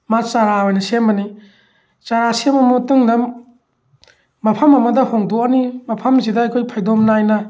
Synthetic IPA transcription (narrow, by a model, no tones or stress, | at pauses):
mat͡ʃaɾaojnɐsemɐni | t͡ʃaɾasemɐmutɯŋdɐm | ɐpʰɐmɐmɐdɐhoŋdoɐnimɐpʰɐmzidɐɐjkʰojpʰajdomnajnɐ